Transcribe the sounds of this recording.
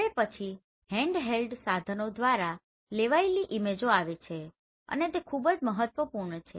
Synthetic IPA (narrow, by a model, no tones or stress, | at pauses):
epət͡ʃʰi | hɛ̃ɳɖɦelɖsad̪ʱənod̪ʋaɾa | leʋaeliʔimed͡ʒoaʋet͡ʃʰe | ə̰net̪ekʰubd͡ʒməɦət̪ʋəpuɾɳət͡ʃʰe